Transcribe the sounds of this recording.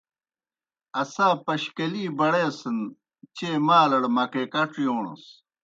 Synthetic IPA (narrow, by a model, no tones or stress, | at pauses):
ɐsaːpɐɕkɐliːbɐɽeːsən | t͡ɕemaːlɐɽmɐkekɐʈ͡ʂijoːɳṵs